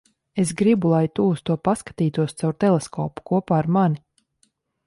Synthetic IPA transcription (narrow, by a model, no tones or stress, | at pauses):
es̬ɡɾibulˠajt̪ust̪uɔpaskḁt̪iːt̪uɔst̪sawɾt̪ɛlˠeskɔ̰ːpu̥kuɔpaːaɾmani